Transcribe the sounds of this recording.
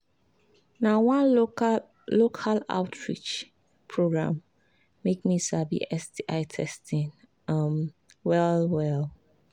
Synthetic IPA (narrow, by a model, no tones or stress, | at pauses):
nãwãn | lokʰala̰ʊtʰɹḭt͡ʃ | pʰɹoɡɹã̰mː | ekmisabḭʔɛsdiʔaɪtʰɛstĩn | ʌm | wɛlwɛl